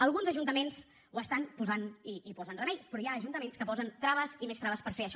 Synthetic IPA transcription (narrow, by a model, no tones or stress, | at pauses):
əlˠɣunzəʒunt̪əmenz | uwəst̪anpuzaniːpɔzənrəmɛʎpɾɔjaːʒunt̪əmenskəpɔzənt̪ɾaβəzimest̪ɾaβəspəɾfeəʃ